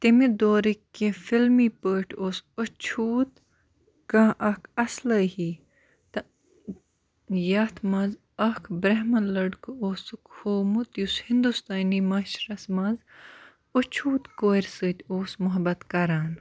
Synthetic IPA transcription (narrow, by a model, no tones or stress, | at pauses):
t̪imid̪oːɾikːefilmiːpəːʈʰoːsot͡ʃʰuːt̪ | kaʔɐkʰɐsləhiː | t̪ɐ | jɐt̪ʰmɐz | ɐkʰbɾɐɦmɐlɐɖkɨoːsɨkhoːmut̪jushind̪ust̪aːnimɐʃɾɐsmɐz | ot͡ʃʰuːt̪koːɾʲsɨt̪ʲoːsmʊɦɐbɐt̪kɐɾaːn